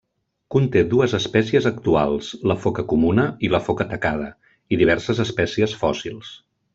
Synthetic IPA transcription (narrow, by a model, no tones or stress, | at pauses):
kunt̪eðuəzəspɛsiəzəkt̪ua̰lˠsləfɔkəkumunəiləfɔkət̪əkað̞ə | iðiβɛɾsəzəspɛsiəsfɔsilˠs